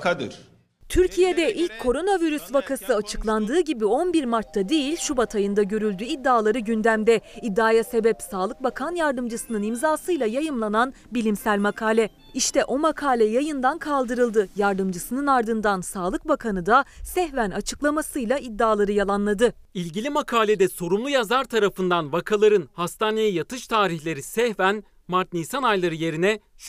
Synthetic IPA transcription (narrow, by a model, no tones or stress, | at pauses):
kʰad̪ɯ̰ɾ̥ | t̪ʰyɾcʰijed̪ɛʔilʲckʰːo̞ɾo̞naviɾysvakʰasɯat͡ʃʰɯ̥klˠand̪ɯːɟibio̞nbiɾmaɾt̪ʰːad̪ejilʲʃubat̪ʰajɯnd̪aɟø̞ɾylʲd̪yid̪ːaːlˠaɾɯɟynd̪æmd̪ɛid̪ːaːjase̞bɛpsaːlˠɯk̚bakʰanjaɾd̪ɯmd͡ʒɯsɯnɯnimzaːsɯjlˠajajɯmlˠanan | bilʲimsælʲmakʰaːlʲɛ | iʃt̪ʰɛʔo̞makʰaːlʲɛjajɯnd̪ankʰalˠd̪ɯɾɯlˠd̪ɯjaɾd̪ɯmd͡ʒɯsɯnɯnaɾd̪ɯnd̪ansaːlˠɯk̚bakʰanɯd̪asɛhvænat͡ʃʰɯ̥klˠamasɯjlˠaid̪ːaːlˠaɾɯjalˠanlˠad̪ɯilʲɟilʲimakʰaːlʲed̪ɛso̞ɾumlˠujazaɾt̪ʰaɾafɯnd̪anvakʰalˠaɾɯnhast̪ʰaːne̞jijat̪ʰɯʃt̪ʰaːɾiçlʲe̞ɾisɛhvæn | maɾt̪nisanajlˠaɾɯje̞ɾinɛʃ